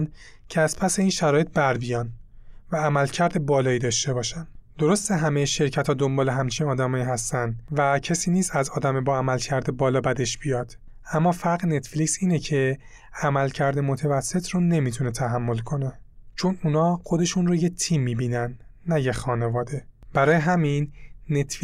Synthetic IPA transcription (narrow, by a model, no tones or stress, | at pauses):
n | cʰeæz̥pʰæse̞iːnʃæɾɒːjet̪̚bæɾbijɒːnvæːmælcʰæɾd̪ebɒːlɒːiːd̪ɒːʃt̪e̞bɒːʃænd̪̥o̞ɾo̞st̪eɦæmejeʃe̞ɾcʰæt̪ʰhɒːd̪o̞mbɒːleɦæmt͡ʃʰinɒːd̪æmɒːiːɦæst̪ænd̪væcʰesiːniːsæzɒːd̪æmebɒːæmælcʰæɾd̪ebɒːlɒːbæd̪e̞ʃb̥ijɒːd̪̥ | æmːɒːfæɾɣne̞t̪flicsiːnecʰe̞ | æmælcʰæɾd̪emot̪ʰevæsːe̞t̪ʰɾone̞mit̪ʰune̞t̪ʰæɦæmːo̞lkʰo̞ne̞ | t͡ʃʰonunɒːxo̞d̪e̞ʃunrojet̪ʰiːmːiːbiːnænːæjexɒːne̞vɒːd̪e̞b̥æɾɒːjeɦæminːet̪ʰf